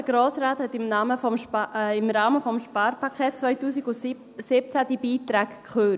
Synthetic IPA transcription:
əɡ̥ɾoːsɾaːthɛtɪmnɑːməfɔmɪmɾɑːməfɔmʃpɑːɾpʰɑkʰχeːt̚t͡svœʏtuːsiɡʊ | sɪp̚t͡sæd̥ibiːtɾæːɡkχøːt

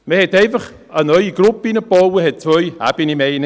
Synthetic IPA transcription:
mɛhedejvəχ | ənɔjiɡɾʊb̚inəb̥ɔwhed̥̚tʰʊja̰binimejn

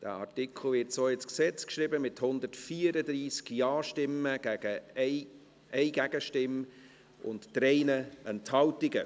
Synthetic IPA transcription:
d̥æ̰ːɑ̰ɹtɪkʰl̩vɪtsoːɪt͡sksɛt͡skʃɾibəmɪthʊnd̪ətfiːəɾəd̪ɾiːskjɑːʃtɪməɡ̥æɡ̥ə | ʔɛɪɡæɡ̥əʃtɪm | ʔʊ̰nttɾɛɪnəʔɛnthɑltɪɡə

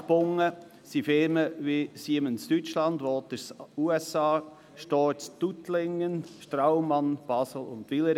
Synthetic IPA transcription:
pʊŋːə | sifɪɾməʋisiːəmənst̪yt͡ʃlɑnd̪ʋoːt̪əɾsuɛsɑː | ʃtɔːst̪ut̪lɪŋːənʃtɾaʊmɑnb̥ɑsl̩ʊ̰nt̪ʋiləɾ

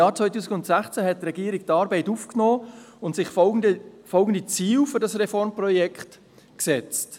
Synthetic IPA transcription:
jɑːɾt͡svœʏtuːsɪɡʊntsæχt͡sæɦɛt̚tːɾɛɡiəɾik̚tɑːɾbɛɪtufknɔːʊntsɪχdəfɔlɡən̩dit͡siːwfʏɾdɑsrɛfɔɾmprɔjɛkχt | ksɛt͡st

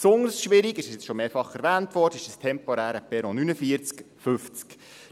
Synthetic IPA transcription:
psʊŋəɾsʃʋɪɾiɡɪʃəsjɛt͡sʃɔmeːɾfɑχɛɾvæːntʋɔrd̥əɪʃəstʰɛmpɔɾæːɾəpɛɾɔnynəfiəɾt͡sk | fʉft͡sk

